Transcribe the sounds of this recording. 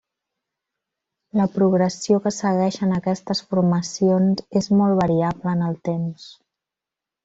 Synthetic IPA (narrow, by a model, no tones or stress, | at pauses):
ləpɾuɣɾəsiokəsəɣɛʃənəkɛst̪əsfuɾməsionzezmɔlˠβəɾiabləːnəlˠt̪ems